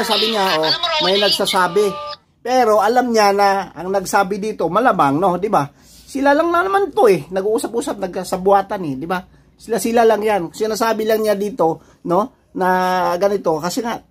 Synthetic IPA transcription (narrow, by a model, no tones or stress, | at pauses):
asaːbɪɲaʔomajnɐɡsasaːbɪ | pɛːɾo̞ʔɐlamɲanɐɐŋnɐɡsaːbɪd̪iːt̪o̞mɐlamaŋno̞d̪ɪba | sɪlalaŋnɐnɐmant̪oʔɛnɐɡuʔuːsɐp̚ʔuːsap̚nɐɡ̚kasɐbʊaːt̪anɛd̪ɪba | sɪlasɪlalaŋjankʊŋsɪnasaːbɪlaŋɲad̪iːt̪o̞ | no̞ | nɐɡɐnɪt̪o̞kɐsɛŋaʔ